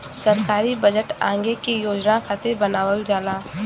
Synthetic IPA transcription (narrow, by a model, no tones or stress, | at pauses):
səɾkaːɾibəd͡ʒəʈã̰ːŋɡekijoːd͡ʒnãkʰaːt̪ebɐnaːʋəld͡ʒaːlaː